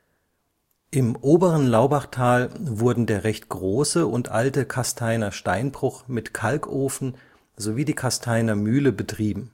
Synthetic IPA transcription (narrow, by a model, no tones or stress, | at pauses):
ʔɪmʔoːbəʁənlaʊbaχtʰaːlvʊɐdn̩deːɐʁɛçtɡ̥ʁoːsəʊntʔa̰ltəkʰastʰaɪnɐʃtaɪnbʁʊχmɪtkʰalkʰʔoːfn̩ | zoviːdiːkʰastʰaɪnɐmyːləbətʁ̥iːbm̩